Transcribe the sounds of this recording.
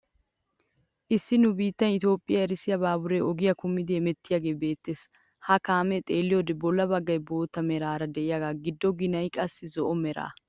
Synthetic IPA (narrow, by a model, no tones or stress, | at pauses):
ʔɪsːɪnʊbiːt̪ːɐnɪt̪jo̞ːpʼːɪjɐɛɾɪsɪjɐbaːbʊɾeɔɡɪjɐkʊmːɪd̪eːmɛt̪ːɪjaɡe̞ːbe̞ːt̪ːeːs | hɐkaːmɛt̪ʼe̞ːlːɪjɔd̪ɛbɔlːɐbɐɡːɐjbo̞ːt̪ːɐmɛɾaːɾɐd̪ɛʔɪjaɡaːɡɪd̪ːɔɡɪnɐjkʼɐsːɪzɔʔɔmɛɾa̰ː